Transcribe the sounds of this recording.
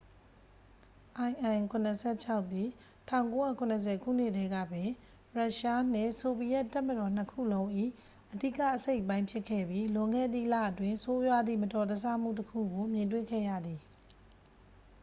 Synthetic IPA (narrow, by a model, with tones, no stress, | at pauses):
ʔã˨ɪ̃ʔã˨kʰʊ̃˨nəsʰɛ˦˨t͡ɕʰa˦ʊʔt̪ːi˦˨ | tʰã˦˨ʊ̃ŋko˦ja̰˦˨kʰʊ̃˨nəs̬ʰɛ˨kʰṵ˦˨n̥ɪ˦ʔtʰɛ˦ɡä̰˦˨bɪ̃˨ | ɹa˦ʔʃa˦n̥ɪ̃˦˨so˨bi˨jɛ˦ʔtːa˦˨mədɔ˨n̥əkʰṵ˦˨lõ˦ʊ̃ʔḭ˦˨ | ʔədḭ˦˨ka̰˦˨ʔəse˦ɪʔpã˦ɪ̃pʰjɪ˦kʰːɛ̰˦˨bji˦lʊ̃˨ŋɡɛ̰˦˨d̪ḭ˦˨la̰˦˨ʔətwɪ̃˦˨so˦jwa˦d̪ðḭ˦˨mətɔ˨d̪ə˨s̬a̰˦˨m̥ṵ˦˨t̬əkʰṵ˦˨ɡo˨mjɪ̃˨ntwḛ˦˨kʰɛ̰˦˨ja̰˦˨d̪i˨